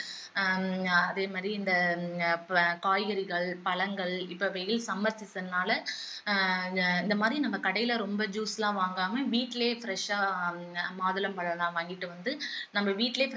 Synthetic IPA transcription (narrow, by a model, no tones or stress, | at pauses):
ɐðeːmaːd̪ɾiɪnd̪ɐ | kaːjɐɾɪɣɐɭpɐɭɐŋɡɐɭɪpːɐʋɐjɪlsɐmːɐɾsɪsɐnaːlɐ | ɪnd̪ɐmaːd̪ɾinɐmːɐkɐɽɐjɪlɐɾɔmbɐd͡ʒuːsɐlãːʋaːŋɡaːmɐʋiːʈːɪleːfɪɾɛʂaː | maːðɐlɐmpɐɭɐlãːʋaːŋɡɪʈːɯʋɐnd̪ɯnɐmːɐʋiːʈːɪleːf